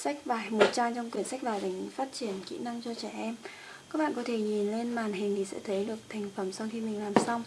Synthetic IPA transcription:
sa˦˥k̟̚vaː˨˩jmo˨˩t̚t͡ɕaː˧nt͡ɕɔ˧wŋ͡mkwi˨˩ənsa˦˥k̚vaː˨˩jɗi˨˩ŋ̟faː˦˥t̚t͡ɕi˧˩ənkḭ˧˥na˧ŋt͡ɕɔ˧t͡ɕɛ˧˩ʔɛ˧m | kaː˦˥k̚ɓ̰a̰ː˧˨˩kɔ˨˦t̪ʰe˧˩ɲi˨˩nle˧nmaː˨˩nɦï˨˩ŋ̟t̪ʰi˨˩sɛ̰˧˥t̪ʰə˨˦jɗɨ˨˩ək̚t̪ʰa˨˩jŋ̟fə˧˩msɔ˧wxi˧mï˨˩ŋlaː˨˩msa˧wŋ͡m

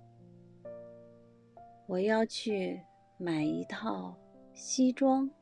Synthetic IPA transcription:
wɔ˨˩jɑ˥˧ʊt͡ɕʰy˥˩ | ma˨˩ɪi˧˥t̪ʰɑ˥˩ʊɕi˥ʈ͡ʂwɑ˥ŋ

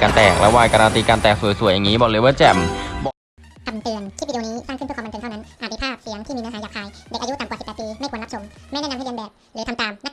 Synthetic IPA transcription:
kaː˧nt̪ɛː˨˩k̚lɛ̰ː˧˩waː˧˩jka˧ɾaː˧nt̪iː˧kaː˧nt̪ɛː˨˩k̚su˨˩jsu˨˩əjːaː˨˩ŋːiː˦˥bɔː˧˩leː˧˦wəː˧˥˩t͡ɕɛ˧˩mbɔ˧ | t̪ʰa˧˩mt̪ɯ˨˩əntʰiː˥˩˧i˧i˧niː˦˥saː˥˩ŋkʰpʰːt̪ːt̪ʰːna˦˥nʔaː˨˩t̪̚ːi˧pʰaː˥˩p̚si˨˦əŋt̪ʰiː˥˩iː˧na˧aː˨˦ja˨˩k̚haː˧jde˨˩k̚aː˧˦u˦˥t̪a˨˩mka˨˩spːɛː˨˩piː˧ma˥˩kʰnla˥p̚so˩˦mːa˥˩jnɛː˦˥na˧mha˥˩˧a˧bɛː˨˩p̚ | ɾɯː˩˦t̪ʰmt̪aː˨mna˦˥

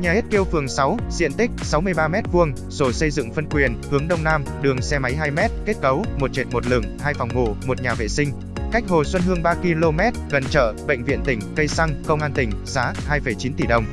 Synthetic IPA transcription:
ɲaː˨˩e˦˥t̚ke˧wfɨ˨˩əŋsa˨˦wzḭ˧˨ənt̪ï˦˥k̟̚sa˨˦wmɨ˧əjɓaː˧mɛ˦˥t̚vu˧əŋ | so˧˩sə˧jzɨ̰˧˨ŋfə˧nkwi˨˩ənhɨ˨˦əŋɗə˧wŋ͡mnaː˧mɗɨ˨˩əŋsɛ˧ma˨˦jɦaː˧jmɛ˦˥t̚ke˦˥t̚kə˨˦wmo˨˩t̚t͡ɕe˨˩t̚mo˨˩t̚lɨ̰˧˩ŋhaː˧jfa˨˩wŋ͡mŋo̰˧˨mo˨˩t̚ɲaː˨˩vḛ˧˨sï˧ŋ | ka˦˥k̟̚ho˨˩swə˧nɦɨ˧əŋɓaː˧ki˧lo˧mɛ˦˥t̚ɣə˨˩nt͡ɕə̰ː˧˨ɓə̰˧˨jŋ̟vḭ˧˨ənt̪ï˧˩ŋ̟kə˧jsa˧ŋkə˧wŋ͡mʔaː˧nt̪ï˧˩ŋ̟z̥aː˨˦haː˧jfə˧˩jt͡ɕi˨˦nt̪i˧˩ɗə˨˩wŋ͡m

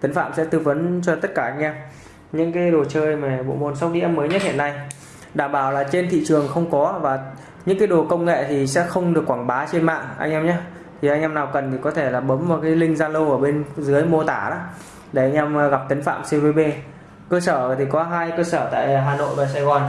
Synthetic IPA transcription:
t̪ə˨˦ŋ̟fa̰ː˧˨msɛ̰˧˥t̪ɨ˧və˨˦nt͡ɕɔ˧t̪ə˦˥t̚kaː˧˩ʔa˧jŋ̟ʔɛ˧m | ɲɨ̰˧˥ŋkaː˨˦jɗo˨˩t͡ɕəː˧jmaː˨˩ɓo̰˧˨mo˨˩nsa˦wŋ͡m̚ɗḭ˧˥ʔɛ˧mːəː˨˦jɲə˦˥t̚hḭ˧˨nːa˧j | ɗaː˧˩mɓaː˨˩wlaː˨˩t͡ɕe˧nt̪ʰḭ˧˨t͡ɕɨ˨˩əŋxə˧wŋ͡mkɔ˨˦vaː˨˩ | ɲɨ̰˧˥ŋkaː˨˦jɗo˨˩kə˧wŋ͡mŋḛ˧˨t̪ʰi˨˩sɛ̰˧˥xə˧wŋ͡mɗɨ˨˩əkːwaː˧˩ŋɓaː˨˦t͡ɕe˧nma̰ː˧˨ŋʔa̰˧jŋ̟ʔɛ˧mɲaː˨˦ | t̪ʰi˨˩ʔa˧jŋʔɛ˧mnaː˨˩wkə˨˩nt̪ʰi˨˩kɔ˨˦t̪ʰe˧˩laː˨˩ɓə˨˦mvaː˨˩kaː˨˦jlï˧ŋ̟zaː˧lə˧wʔəː˧˩ɓe˧nzɨ˨˦əjmo˧t̪aː˧˩ɗa̰ː˨˦ | ɗe˧˩ʔa˧jŋ̟ʔɛ˧mɣa˨˩p̚t̪ə˨˦ŋ̟fa̰ː˧˨msi˧nveː˨˦ɓe˧ | kəː˧səː˧˩t̪ʰi˨˩kɔ˨˦ɦaː˧jkəː˧səː˧˩t̪a̰ː˧˨jɦaː˨˩no̰˧˨jvaː˨˩saː˧jɣɔ˨˩n

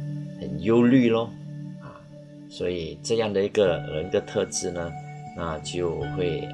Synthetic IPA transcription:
xə˨˩njo˦˥ʊly˥˧lɔ˥˧a˥˩ | swɔ˧˥i˨˩ʈ͡ʂɤ˥˧jɑ˥˩ŋd̪ə˩i˧˥ɡə˧ɻə˧˥nd̪ə˧t̪ʰɤ˥˧ʈ͡ʂɻ̩˥˩nə˩na˥˧t͡ɕjo˥˧ʊxwe˥˩ɪ

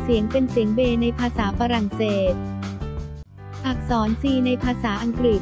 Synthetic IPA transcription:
si˩˦əŋpe˧nsi˩˦əŋbeː˧na˧jpʰaː˧saː˩˦faː˧ɾa˨˩ŋseː˨˩t̪̚ | saː˨˩k̚sɔː˩˦nsiː˧na˧jpʰaː˧saː˩˦ʔa˧ŋkɾi˨˩t̪̚

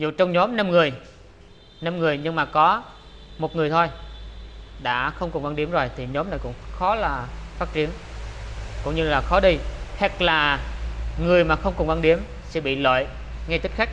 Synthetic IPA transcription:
zṵ˧˨t͡ɕɔ˧wŋ͡mɲɔ˨˦mna˧mŋɨ˨˩əj | na˧mŋɨ˨˩əjɲɨ˧ŋmaː˨˩kɔ˨˦ | mo˨˩t̚ŋɨ˨˩əjt̪ʰo˧j | ɗa̰ː˧˥xə˧wŋ͡mkʊ˨˩ŋva˧nɗi˨˦əmzo˨˩jt̪ʰi˨˩ɲɔ˨˦mna˨˩jkʊ̰˧˥ŋ͡mxɔ˨˦laː˨˩faː˦˥t̚t͡ɕi˨˦ən | kʊ̰˧˥wŋ͡mɲɨ˧laː˨˩xɔ˨˦ɗi˧hɛ˨˥k̚laː˨˩ | ŋɨ˨˩əjmaː˨˩xə˧wŋ͡mkʊ˨˩ŋva˧nɗi˨˦əm | sɛ̰˧˥ɓḭ˧˨lo̰˧˨j | ŋa˧jt̪i˦˥k̚xa˦˥k̚

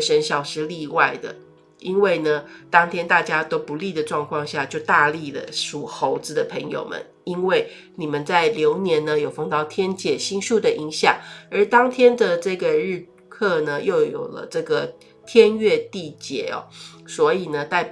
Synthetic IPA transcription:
ʂə˧˥nɕjɑ˨˩ʊʂɻ̩˧˥li˥˧wa˥˩ɪd̪ə̰˩ | ʔi˥nwe˥˩ɪnə˩t̪ɑ˥ŋt̪ʰjɛ˥nt̪a˥˩t͡ɕja˥t̪o˥ʊpu˧˥li˥˩d̪ə˩ʈ͡ʂwɑ˥˧ŋkʰwɑ˥˧ŋɕja˥˧t͡ɕjo˥˧ʊt̪a˥˧li˥˩lə̰˩ʂu˨˩xo˧˥ʊt͡sɹ̩˧d̪ə˨pʰə˧˥ŋjo̰˨˩ʊmə̰˦n | i˥nwe˥˩ɪ | ni˨˩mə˨˦nt͡sa˥˩ɪljo˧˥ʊnjɛ˧˥nnə˧jo˨˩ʊfɑ˥˧ŋt̪ɑ˥˧ʊt̪ʰjɛ˥nt͡ɕjɛ˨˩ɕi˥ŋʂu˥˩d̪ə˩ʔi˧˥ŋɕjɑ˨˩ŋə˞˧˥t̪ɑ˥ŋt̪ʰjɛ˥nd̪ə˨ʈ͡ʂɤ˥˩ɡə˩ɻ̩˥˧ | kʰɤ˥˩nə˩jo˥˩ʊjo̰˨˩ʊlə̰˦ʈ͡ʂɤ˥˩ɡə˩ | t̪ʰjɛ˥nɥɛ˥˧t̪i˥˩t͡ɕjɛ˧˨˩ɔ̰˦swɔ˧˥i˨˩nə˦t̪a˥˩ɪ

